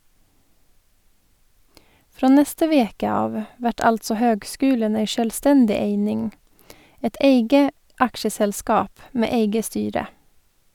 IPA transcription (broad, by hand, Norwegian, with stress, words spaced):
ˈfɾoː ˈnɛstə ˈʋeːkə ˈɑːʋ ˈʋæʈ ˈɑltsɔ ˈhøːɡˌskʉːlən ˈeɪ ʃœlˈstɛndɪ ˈeɪnɪŋ ˈɛt ˈeɪɡə ˈɑkʃəsɛlˌskɑːp ˈmeː ˈeɪɡə ˈstyːɾə